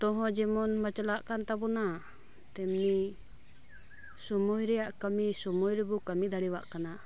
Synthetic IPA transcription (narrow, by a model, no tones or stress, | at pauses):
t̪ɔɦɔ̃d͡ʒɛmɔnmət͡ʃlaʔkant̪abɔna | t̪ɛmni | sɔmujɾɛjaʔkəmisɔmujɾɛbukəmid̪ʱaɽiwa̰ʔkana